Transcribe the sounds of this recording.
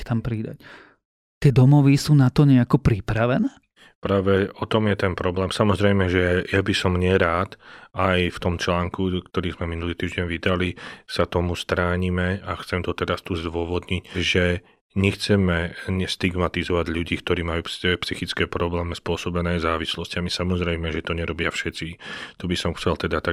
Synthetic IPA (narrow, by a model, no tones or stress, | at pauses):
t̪ampɾid̪a̰c | t̪ɪɛd̪ɔmɔʋisuːnat̪ɔɲɛakɔpɾipɾaʋɛnɛː | pɾaːʋɛɔt̪ɔmjɛt̪ɛnpɾɔblɛːmsamɔzɾɛjmɛʒɛjabisɔmɲɪɛɾaːt̪ajft̪ɔmt͡ʃlaːŋkukt̪ɔɾiːzmɛminuliːt̪iːʒɟɛnʋid̪alisat̪ɔmust̪ɾaːɲimɛaxt͡sɛmt̪ɔt̪ɛɾast̪uːzd̪ʋʊɔʋɔd̪ɲicʒɛ | ɲɛxt͡sɛmɛɲɛst̪iɡmat̪izɔʋaɟʎuɟiːkt̪ɔɾiːmajuːpspsixit͡skɛːpɾɔblɛːmɛspʊɔsɔbɛnɛːzaːʋislɔscamisamɔzɾɛjmɛʒɛt̪ɔɲɛɾɔbɪafʃɛt͡sit̪ɔbisɔmxt͡sɛlt̪ɛd̪at̪a